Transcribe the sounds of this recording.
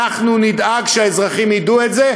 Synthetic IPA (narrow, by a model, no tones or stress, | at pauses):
aχnunid̪aɡʃeaezʁaχimiduetze